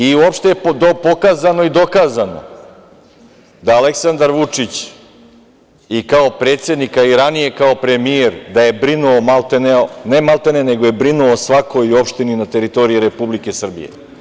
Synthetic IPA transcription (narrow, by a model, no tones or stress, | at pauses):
iuopʃt̪ejepd̪opokaːzano̞id̪o̞kaːzano̞̰ | d̪aːle̞ksand̪aɾʋut͡ʂit͡ɕ | ikao̞pɾet̪sje̞d̪nikaiɾanije̞kao̞pɾe̞mieɾd̪aje̞bɾinuomalˠt̪eneonemalˠt̪enene̞ɡoje̞bɾinuosʋako̞jio̞pʃt̪ininat̪e̞ɾit̪o̞ɾiiɾe̞publike̞sr̩bḭje̞̰